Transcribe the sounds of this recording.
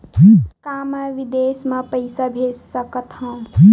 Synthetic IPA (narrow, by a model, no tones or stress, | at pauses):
kaməʋid̪esmẽpəɪsabʱessəkət̪ɦə̃